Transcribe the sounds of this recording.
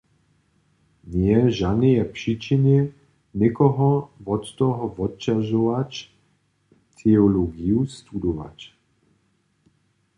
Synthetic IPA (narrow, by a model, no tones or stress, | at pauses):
ɲjɛʒanijɛpʂit͡ʃiɲɛ | ɲɛkɔɦɔvɔt̪t̪ɔɦɔvɔt̚t͡ʃaʒɔʋat͡ʃ | t̪ʰɛɔloɡiust̪ud̪ɔʋa̰t͡ʃ